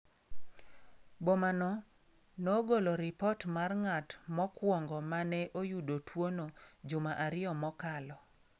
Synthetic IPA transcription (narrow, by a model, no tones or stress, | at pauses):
bɔmanɔ | noɡoloɾɪpɔtmarŋatmɔkwɔŋɡɔmanɛʔojudotʰwonod͡ʒʊmaʔaɾɪɔmɔkalɔ